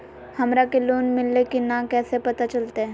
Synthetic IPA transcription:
hɐmɾakeloːnmɪlːekinakɛːsepɐt̪at͡ʃɐlt̪eɦɛ̃

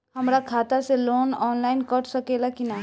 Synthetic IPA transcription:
hɐmɾakʰaːt̪aseloːnɔːnlaːɪnkəʈsɐkeːlakinaɦ

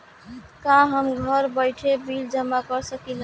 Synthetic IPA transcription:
kãɦəmɡʱəɾbəɪʈʰebild͡ʒəmːakəɾsəkilə

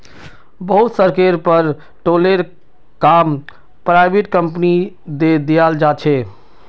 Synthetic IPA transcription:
bəɦut̪səɾkeɾpəɾ | ʈoleɾ | kam | pɾaɪbeʈkəmpni | d̪ed̪ijald͡ʒat͡ʃʰɛ

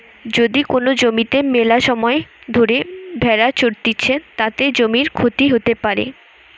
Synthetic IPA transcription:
d͡ʑod̪ikonod͡ʑomit̪emelaʃɔmɔed̪ʱoɾebʱɛɾat͡ɕoɾt̪it͡ɕʰet̪at̪ed͡ʑomiɾkʰot̪iɦot̪epaɾḛ

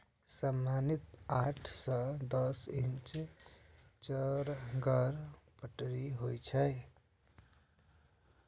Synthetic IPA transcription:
səmːanit̪aʈʰsə̃d̪əsint͡ʃ | t͡ʃəɾɡəɾpəʈɾiɦojt͡ʃʰəj

